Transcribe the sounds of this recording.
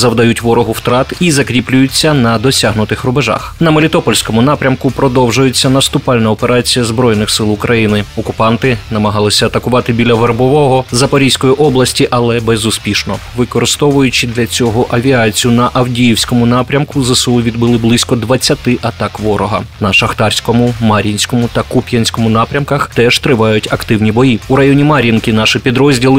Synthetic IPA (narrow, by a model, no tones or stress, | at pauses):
zɐwd̪ɐjutʲʋɔɾɔɦʊwt̪ɾɑt̪izɐkɾʲiplʲʊjʊt͡sʲːɐnɐd̪ɔsʲaɦnʊt̪ɪxrʊbeʒɑ̰xnɐmɔlʲit̪ɔpɔlʲsʲkɔmʊnɑpɾʲɐmkʊpɾɔd̪ɔwʒʊjet͡sʲːɐnɐst̪ʊpɑlʲnɐɔpeɾɑt͡sʲijɐzbɾɔjnɪxsɪlˠʊkɾʔɐjinɪɔkʊpɑnt̪ɪnɐmɐɦɑlˠɪsʲɐɐt̪ɐkʊʋɑt̪ɪbʲilʲɐʋerbɔʋɔɦɔzɐpɐɾʲijsʲkɔjiʔɔblˠɐsʲtʲiʔɐlˠɛbɛzʊspʲiʃnɔʋɪkɔɾɪst̪ɔʋʊjʊt͡ʃɪd̪lʲɐt͡sʲɔɦɔʔɐʋʲiɑt͡sʲijʊnɐʔɐwdʲijiwsʲkɔmʊnɑpɾʲɐmkʊzɐsɔlˠʊʋʲid̪bɨlˠɪblˠɪsʲkɔd̪ʋɐt͡sʲːɐt̪ɪʔɐt̪ɑkʋɔɾɔɦɐ̰nɐʃɐxt̪ɑrsʲkɔmʊmɐɾʲinʲsʲkɔmʊt̪ɐkupʲjɐnʲsʲkɔmʊnɑpɾʲɐmkɐxt̪ɛʒ̥t̪ɾɪʋɑjʊtʲɐkt̪ɪwnʲibɔjiuɾɐjɔnʲimɐɾʲinkɪnɑʃɪpʲid̪ɾɔzʲdʲilˠɪ